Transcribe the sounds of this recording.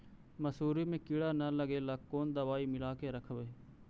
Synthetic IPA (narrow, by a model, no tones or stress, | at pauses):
məsuːɾiːmẽːkɪɽaːnələɡeːlaːkkːoːnd̪əʋaːiːmɪlaːkeːɾəkʰʋeː